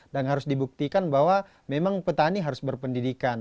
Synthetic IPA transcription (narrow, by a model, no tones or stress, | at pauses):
danɦaɾʊsdibuk̚t̪ikanbaɦwa | memaŋpət̪aniɦaɾʊsbərpəndidikan